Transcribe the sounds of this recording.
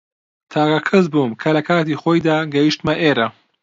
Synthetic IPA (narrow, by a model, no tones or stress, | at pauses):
t̪ʰaːkɐkʰɨzbuːmkʰɐlɐkʰaːt̪iːxoːjd̪aːɡɐjiʃt̪mɐʔeːɾɐ